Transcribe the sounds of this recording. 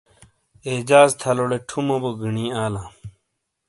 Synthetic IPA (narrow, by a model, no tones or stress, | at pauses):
eːd͡ʑaːzt̪ʰɐloɽeʈʰumoboɡiɳĩːaːlãː